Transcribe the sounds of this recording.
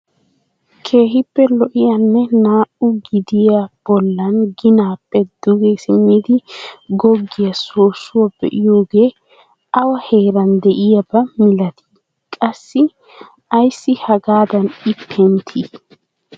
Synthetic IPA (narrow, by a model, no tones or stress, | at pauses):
kʰe̞ːɦɪpːɛlɔʔɪjɐnːɛnaːʔʊɡɪd̪ɪjab̥ɔlːɐnɡɪnaːpːɛd̪̥ʊɡeːsɪmːiːd̪ɪɡɔɡːɪjɐsoːsːʊwab̥ɛ̰ʔɪjo̞ːɡe̞ː | ɐwɐheːɾɐnd̪ɛʔɪjɐbɐmɪlɐt̪ʰi̥ | kʼɐsːɪ | ɐjsːɪhɐɡaːd̪ɐnɪpʰːɛnt̪ʰi